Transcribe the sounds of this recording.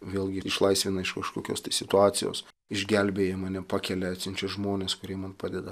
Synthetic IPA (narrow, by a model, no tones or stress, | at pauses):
ʋʲeːlˠɡʲɪɪʃlˠɐɪsʲʋʲɪnɐɪʃkɐʃkoːkʲo̰ːst̪ɐɪsʲɪt̪ʊɑːt̪sʲɪjo̰ːs | ɪʒʲɡʲɛlʲbʲeːjɛmɑːnʲɛpɑːkʲɛlʲɛɐt̪sʲɪnʲt͡ʃʲɛʒmoːnʲeːskʊɾʲiɛmɐnpɑːd̪ʲɛd̪ɐ